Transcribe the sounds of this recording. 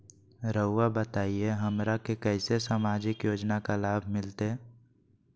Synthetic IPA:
ɾəʊwabət̪aːieɦəmɾakekɛɪsesaːmaːd͡ʒɪkjoːd͡ʒnakalaːbʱmɪlt̪e

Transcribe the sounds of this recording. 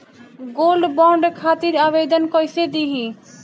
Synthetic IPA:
ɡolɖbɔɳɖkʰat̪iɾabed̪ənkʌjsed̪iɦĩ

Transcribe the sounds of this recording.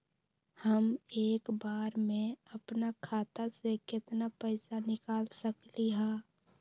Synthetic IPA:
həmeːkbaːɾmẽəpnakʰaːt̪asekɪt̪napəɪsanɪkaːlsəkliɦaː

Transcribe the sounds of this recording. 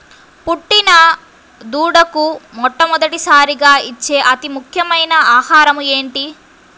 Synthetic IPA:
puʈːinɐ | d̪uːɽɐkumɔʈːɐmɔd̪ɐʈisaːɾiɡaːit͡ʃːe̞ːʔɐt̪imukʰjɐmɐjnɐaːhaːɾɐmue̞ːɳʈi

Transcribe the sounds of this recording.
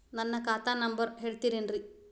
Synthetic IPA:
nɐnːɐkaːt̪aːnɐmbɐɾɦeːɭt̪iɾenɾi

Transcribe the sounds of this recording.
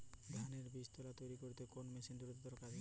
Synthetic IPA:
d̪ʱaneɾbist̪olat̪ojɾikoɾit̪ekonmesind̪uɾit̪ed̪ɔɾkad͡ʒʱe

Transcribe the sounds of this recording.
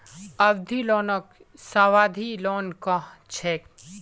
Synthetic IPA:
ɐʋd̪ʱilɔːnək | saʋaːd̪ʱilɔːnkɐ̃ɦt͡ʃʰek

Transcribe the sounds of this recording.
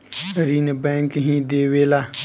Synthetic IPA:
ɾiːnbẽŋkɦĩd̪eːweːla

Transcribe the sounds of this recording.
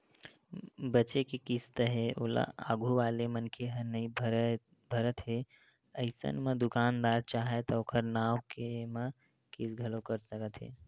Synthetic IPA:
bət͡ʃekekist̪əɦeʔola̰a̰ːɡʱuʋaːlemənkʰeɦəɾnəib | bʱəɾət̪ɦe | əɪsə̰nmə̃d̪ʊkaːnd̪aːɾt͡ʃaːɦet̪ɔokʰəɾnaːwkemə | kɪsɡʱɐlokəɾsəkət̪ɦḛː

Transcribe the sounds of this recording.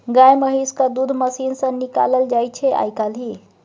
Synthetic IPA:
ɡajməɦiskad̪ud̪ʱməsinsə̃nika̰ləld͡ʒajt͡ʃʰɛʔa̰jkalɦi

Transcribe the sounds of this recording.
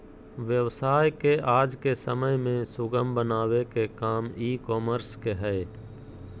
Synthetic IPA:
ʋjəʋsaːjkeʔaːd͡ʒkesəməjmẽsʊɡəmbənaːʋekekaːmiːkoːməɾskeɦɛː

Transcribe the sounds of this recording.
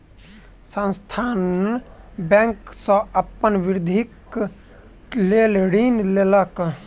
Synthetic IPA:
sə̃nst̪ʰan | bɛ̃ŋksə̃əpːənʋiɾd̪ʱik | lelɽinlelək

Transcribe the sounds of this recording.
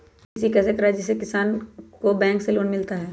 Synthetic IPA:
ɪsikɛːsekɐɾaɦɛd͡ʒɪs̬ekɪsaːnkobɛ̃ːŋkseloːnmɪlt̪aɦɛː

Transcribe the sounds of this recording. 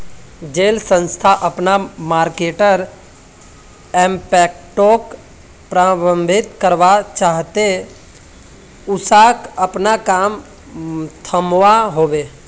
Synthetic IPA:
d͡ʒeːlsə̃nst̪ʰaʔəpnamaːɾkeːʈəɾ | ɛːmpɛːk̚ | ʈoːk | pɾaːbə̃mbʱɪt̪kəɾʋat͡ʃaːɦt̪e | ʊsaːkəpnakaːm | t̪ʰəmʋaɦoːʋeː

